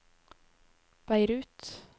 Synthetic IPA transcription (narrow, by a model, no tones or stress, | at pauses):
b̥æɪɾʉːt̪